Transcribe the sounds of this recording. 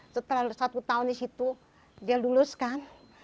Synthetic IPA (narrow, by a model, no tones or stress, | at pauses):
sət̪əlasat̪ut̪aundisit̪u | dialuluskan